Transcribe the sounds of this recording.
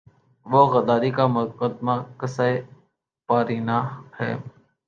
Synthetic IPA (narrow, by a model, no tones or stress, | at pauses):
ʋoːɣəd̪aːɾiːkaːmʊkəd̪maːkəsaeː | paːɾiːnaːhɛ̰ː